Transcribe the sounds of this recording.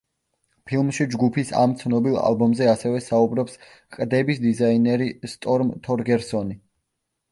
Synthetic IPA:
pʰilˠmʃid͡ʒɡupʰisa̰mt̪sʰnɔbilˠa̰lˠbɔmzɛasɛvɛsaubɾɔps | qʼd̪ɛbisd̪izainɛɾist̪ʼɔɾmt̪ʰɔɾɡɛɾsɔni

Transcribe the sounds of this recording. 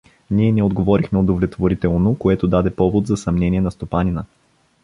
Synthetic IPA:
niɛnɛod̪ɡovɔɾixmɛod̪ovlʲɛt̪voɾit̪ɛlˠnokoɛt̪od̪ad̪ɛpɔvod̪zɐsɐmnɛnʲiɛnɐst̪opanʲinə

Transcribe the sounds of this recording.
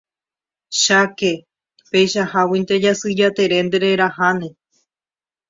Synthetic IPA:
ʃake | pejʃahawint̪ed͡ʒasɨd͡ʒat̪e̞ɾe̞nd̪eɾeɾahanẽ̞

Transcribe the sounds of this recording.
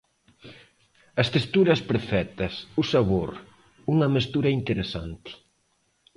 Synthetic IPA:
ɐst̪est̪uɾɐspɾfɛt̪ɐsusaβoɾ | uŋɐmest̪uɾɐint̪eɾesant̪ɪ̥

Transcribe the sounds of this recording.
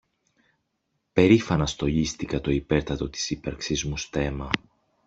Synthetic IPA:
pe̞ɾifɐnɐst̪o̞ʎist̪ikɐt̪o̞ipe̞ɾt̪ɐt̪o̞t̪i̥sipɐɾksizmust̪e̞mɐ

